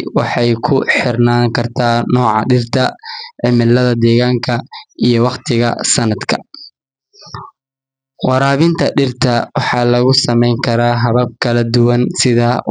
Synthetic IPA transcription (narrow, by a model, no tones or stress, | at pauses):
wɑħɑjkʰʊħɪrnaːŋkʰɐrt̪ʰaːnɔːʕɑ̰ɖɪrt̪ʰɐʕɪmɪlːɐðɐd̪ɛːɣaːŋkʰɐʔijɔwɑqt̪ʰɪɣɐ̰sɐnɐd̪kʰɐ̥̰ | wɑɾaːβɪnt̪ʰɐɖɪrt̪ʰɐwʔɑħɑːlɐɣʊsɐmɛjŋkʰɐɾaːɦɐβɐb̚kʰɐlɐd̪ʊwɐnsɪðɐ